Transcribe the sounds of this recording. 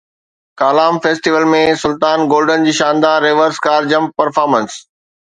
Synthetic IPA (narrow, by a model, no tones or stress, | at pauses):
kaːlaːmfeːsʈiʋəlmẽsʊlt̪aːnɡoːlɖənd͡ʑiːʃãːnd̪aːɾeːʋəɾskaːɾd͡ʑɐ̃mp̚pɐɾfaːɾmə̃ns